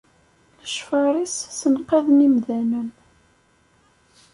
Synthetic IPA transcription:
ləʃfɑɾˤissənqæðnimðænən

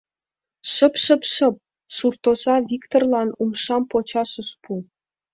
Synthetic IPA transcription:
ʃə̆pɕə̆pʃə̆p̚ | surt̪ozɑvʲikt̪orlˠɑnumʂɑmpot͡ɕɑʃɤ̆ʃpu

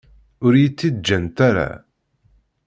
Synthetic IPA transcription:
ʊɾjit͡sːid̪d͡ʒːənt̪aɾa̰

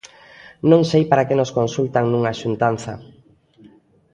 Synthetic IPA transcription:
nõŋsejpaɾakenoskonsult̪aŋnũŋaʃunt̪an̟θa̰

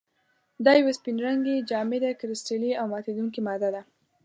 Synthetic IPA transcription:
d̪ɑjawaspinɾaŋɡed͡ʒɑmɪd̪akɾɪstiliawmɑt̪ed̪uŋkimɑd̪ad̪a

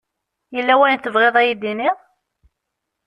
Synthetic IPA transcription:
jəlːæwæjnθəvʁeðˤæjid̪iniʁ

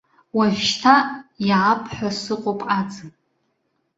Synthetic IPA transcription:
waʒʷʃtʰajaːpʰħʷᶣasɨqʷʼopʼad͡zɨn

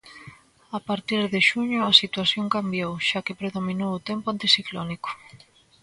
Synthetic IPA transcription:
apaɾt̪iɾðɪʃuɲʊasit̪waθjoŋkambjowʃakɪpɾeðominowʊt̪ɛmpʊant̪isiklɔnikʊ̥

